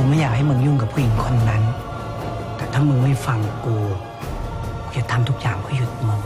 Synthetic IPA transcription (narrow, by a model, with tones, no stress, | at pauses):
u˧maː˧˥˨jaː˨˩k̚ha˥˩jmɯ˧ŋjuː˧˩˨ŋka˨˩pʰuː˧˨ji˨˦ŋpʰɔ˧ʔa˧n˧na˦˧˥n | t̪ɛː˨˩t̪ʰaː˥˩mɯ˧ma˧˥˩jfa˧ŋkuː˧˩ | t͡ɕa˨˩t̪ʰa˧mt̪ʰu˦˥k̚jaː˨˩ŋpʰuː˧˥˨ju˧t̪̚mɔː˧